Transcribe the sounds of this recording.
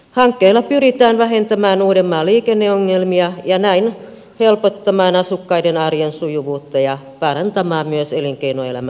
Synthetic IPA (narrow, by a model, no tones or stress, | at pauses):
hɑŋkːeilːɑpyɾit̪æːnʋæɦe̞nt̪æmæːnuːdemːɑːliːkenːeoŋːelmiɑjɑnæin | helpot̪ːɑmɑːnɑsukːɑidenɑrjensujuʋuːt̪ːɑjɑ | pɑrɑnt̪ɑmɑːmmyøseliŋkeinoe̞læ̰mæ